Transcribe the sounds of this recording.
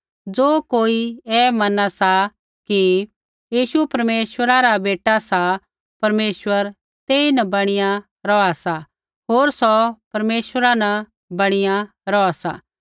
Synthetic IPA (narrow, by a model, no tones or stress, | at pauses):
d͡zoːkoːiɛːmɐnasa | ki | jiːʃupɐɾmeːswəɾaɾabeːʈasa | pɐɾmeːswəɾ | t̪eːinɐbɐɽ̃ɪja | ɾɔasa | ɦoːɾsɔpɐɾmeːswəɾanɐ | bɐɽ̃ɪja | ɾɔasa̰